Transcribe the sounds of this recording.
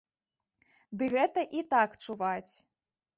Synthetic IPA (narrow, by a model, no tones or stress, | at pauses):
d̪ɨɣɛt̪ɐʔit̪akt͡ʂuvat͡sʲ